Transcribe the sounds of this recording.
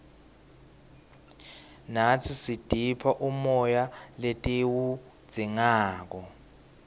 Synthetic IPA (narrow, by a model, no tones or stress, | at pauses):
nat͡sʰisid̥ʱipʰaʔumɔjaletʼiwu̥ | d͡z̥ʱiŋaːk̬ɔ